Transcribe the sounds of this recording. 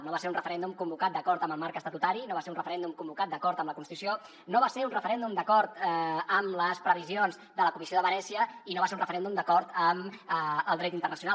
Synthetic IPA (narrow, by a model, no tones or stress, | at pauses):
noβaseɾunrəfəɾɛnd̪umkumbukat̪̚d̪əkɔɾt̪əməlˠmaɾkəst̪ət̪ut̪aɾinoβaseɾunrəfəɾɛnd̪umkumbukat̪̚d̪əkɔɾt̪əmləkunt̪it̪usio | noβaseɾunrəfəɾɛnd̪umd̪əkɔɾt̪əmləspɾəβizionzðələkumisioðəβənɛsiəinoβaseunrəfəɾɛnd̪umd̪əkɔɾt̪əməlˠd̪ɾɛt̪int̪ərnəsiuna